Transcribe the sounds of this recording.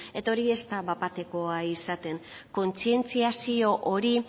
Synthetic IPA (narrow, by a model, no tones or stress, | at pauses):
e̞t̪o̞ɾie̞st̪aβapat̪e̞ko̞aisat̪e̞ŋko̞nt͡sie̞nt͡siasio̞ʔo̞ɾi